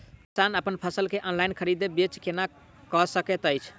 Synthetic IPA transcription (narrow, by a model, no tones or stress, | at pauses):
kisanəpənpʰəsəlkeʔɔnlajnkʰəɾid̪ebet͡ʃkena | kɔsəket̪əjt͡ʃʰ